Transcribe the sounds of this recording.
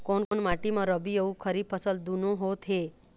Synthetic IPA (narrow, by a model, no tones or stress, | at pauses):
konkonmaʈimãɾəbioũkʰəɾipʰəsəld̪unõɦot̪ʰɦe